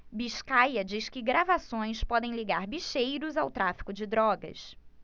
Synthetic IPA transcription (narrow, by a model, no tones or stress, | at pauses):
biʃkajɐd͡ʒiskɪɡɾavasõj̃spɔd̪ẽj̃liɡaɾbiʃejɾʊzawt̪ɾafi̥kʊd͡ʒɪd̪ɾɔɡɐ̰s